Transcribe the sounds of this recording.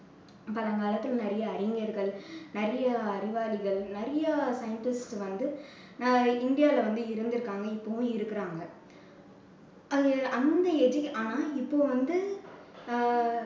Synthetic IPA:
pɐlɐŋɡaːlɐt̪ːɯlnɛɾɐjɐːɾɪŋɡɐɾɣɐɭnɛɾɐjɐːɾɪʋaːlɪɣɐɭnɪɾɐjɐsɐjɐɳʈɪsʈʋɐnd̪ɯ | nɪnɖɪjaːɪlɐʋɐnd̪ɯɪɾɯnd̪ɪɾɯkːaːŋɡɐɪpːoːʋʊ̃ɪɾɯkːɪɾaːŋɡɐ | ɐnd̪ɐɛd͡ʒiʔaːnaːɪpːoːʋɐnd̪ɯ

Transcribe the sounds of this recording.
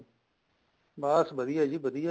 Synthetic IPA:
baːsbəd̪iːjaːd͡ʒiːbəd̪ija

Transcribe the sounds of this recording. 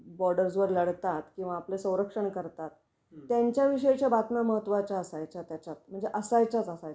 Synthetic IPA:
bɔɾɖəɾd͡zʋəɾləɽt̪at̪kĩw̃ʋaːplesə̃w̃ɾəkʂəɳkəɾt̪at̪ː | jaɲt͡ɕjaʋiʂəjt͡ɕjabat̪naməɦət̪ːʋat͡ɕaəsajt͡sat̪jat͡ɕat̪̚m̤əɳd͡zeʔəsajt͡sat͡səsaja

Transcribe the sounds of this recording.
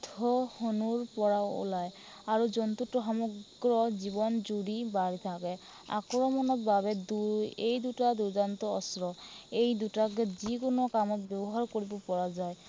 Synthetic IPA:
tʰɔhɔnuɹpɔɹao̰laj | aɹuzɔnt̪utːɔxɔmɔɡ | ɹɔzibɔnzuɹibaɹit̪ʰakɛ | a̰kɹɔmɔnɔt̚babɛduejd̪utad̪uɹzant̪ɔɔsɹɔejdutakɛzikʊnɔkamɔt̚bjɔbɔɦaɹkoɹibɔpɔɹazaj

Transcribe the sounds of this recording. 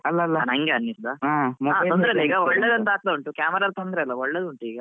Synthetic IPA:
ɐlːɐlːanɐŋɡeɐnːisd̪aamɐaːond̪ɾeɐlɐiːɡɐɔɭːed̪ɐnt̪aːt̪lɐuɳʈukʲaːmɐɾaːɾt̪ond̪ɾeɐlːɐɔɭːed̪uɳʈuiːɡɐ

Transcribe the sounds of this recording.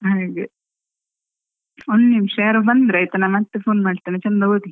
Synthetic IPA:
ɦaːɡe | onːnimʂeːɾɐbɐnd̪ɾɐjt̪ɐnaːmɐt̪ːepʰoːnmaːɖt̪iːnet͡ʃɐnd̪ɐɡoːʈ̪i

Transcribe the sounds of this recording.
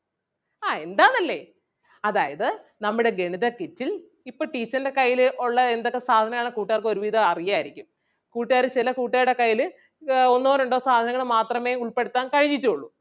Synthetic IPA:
aːe̞nd̪aːnɐlːe̞̰ | ɐðaːjɐðɨnɐmːuɽe̞ɡe̞ɳiðɐketːil | ipːoːʈiːt͡ɕːɐnde̞kɐjːilʔuɭːɐend̪o̞kːe̞saːd̪ʱɐnɐŋaːɳɨkuːʈːaːrkɨo̞ɾuʋiːðʱɐɐrijaːjiɾikʲːum | kuːʈːjaːɾɨt͡ɕilɐkuːʈːaːjuɽe̞kɐjːilɨ | onːoːnuɳɖo̞ːsaːd̪ʱɐnɐŋɐɭmaːt̪rɐme̞ːuɭpe̞ɽut̪ːaːnkɐɻiɲːitːuoɭːu

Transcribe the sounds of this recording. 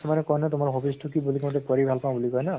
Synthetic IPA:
manɛkɔjnɔtʊmaɹɦɔpistʰukibulikɔ̃tɛkɔɹibʱalpaw̃bulikɔjna

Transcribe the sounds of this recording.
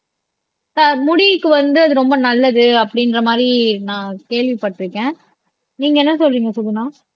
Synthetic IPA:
t̪ɐɾmʊɽikːɯʋɐnd̪ɯɐðɯɾɔmbɐnɐlːɐðɯɐpːɐɽɪnɾɐmaːd̪ɾinãːkeːɭʋipɐʈːɪɾɯkːẽː | niːŋɡɐɛnːɐsɔlɾiːŋɡɐsʊlːɯnaː

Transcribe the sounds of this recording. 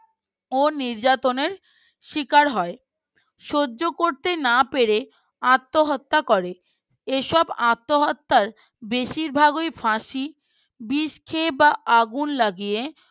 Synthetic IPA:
oniɾd͡ʑat̪oneɾ | ʃikaɾɦɔe | ʃoːokoɾt̪enapeɾe | at̪ːoɦɔt̪ːakoɾe | eʃɔbat̪ːoɦɔt̪ːaɾ | beʃiɾbʱaɡujfãʃi | biʃkʰebaʔaɡunlaɡije

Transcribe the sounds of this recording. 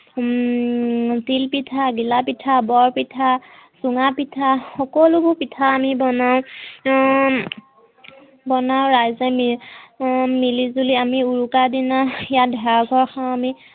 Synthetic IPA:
tilpitʰaɡilapitʰabɔɹpitʰasuŋapitʰaxɔkɔlubupitʰaːmibɔnaʊ | bɔnawɹajzɛmi | milizuliamiuɹukadinajadʱɛaɡʱɔɹxʰaw̃ami

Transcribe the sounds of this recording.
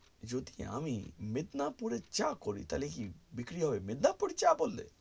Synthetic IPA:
d͡ʒod̪ia̰mimed̪napuɾet͡ɕakoɾḭt̪alekibikɾiɦɔbemed̪napuɾt͡ɕabolːḛ

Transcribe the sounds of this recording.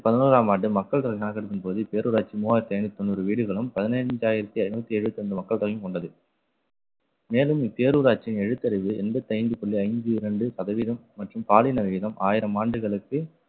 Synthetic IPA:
pɐðɯnuːɾaːmaːɳɖɯmɐkːɐɭt̪ɐɣɐɪjaːɣɐɽɯtːɪnpoːðɯpːeːɾuːɾaːt͡ʃːimuːhaːɾt̪eːnit̪ːɔnːɯɾɯʋiːɽɯɣɐɭɯmpɐðɪnɐd͡ʒaːjɪɾɐt̪ːiɐɪnbɐt̪ːiɛɻɯʋɐt̪ːɪɐnd̪ɯmɐkːɐɭt̪ɐɣɐjɯmkɔɳɖɐðɯ | meːlɯmɪpːeːɾuːɾaːt͡ʃːɪnɛɻɯt̪ːɐɾɐɪʋɯʔɛnbɐt̪ːiɐɪɲd͡ʒɯpɔɭːiɐɪɲd͡ʒɯɪɾɐɳɖɯsɐðɐʋiːðɐmːɐʈrɯmpaːlɪnɐʋiːðɐmʔaːjɪɾɐmaːɳɖɯɣɐɭɯkːɯ

